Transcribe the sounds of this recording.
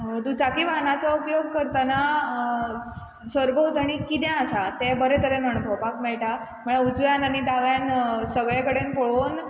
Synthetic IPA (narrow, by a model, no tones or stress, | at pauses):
t̪ũt͡sakiʋaɦnat͡saupjoɡ̚kəɾt̪ana | səɾbəɦot̪aɽ̃ikid̪jãəsat̪ebəɾet̪əɾenənubʱəbakmeɭʈa | məɭaut͡sʋjanañid̪aʋjansəɡɭekəɽenpoɭon